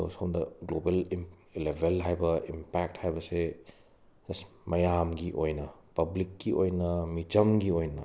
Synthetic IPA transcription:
o̰sondɐɡlobelim | lebʱelɦajbɐimpɛk̚thajbɐse | s | mɐjamɡiʔojnɐpɐblikːiʔojnɐmit͡ʃɐmɡiojnɐ̰

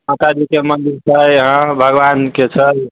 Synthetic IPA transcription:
mat̪ad̪ikemənd̪iɾt͡ʃʰəjɦə̃bʱəɡʋanket͡ʃʰəj

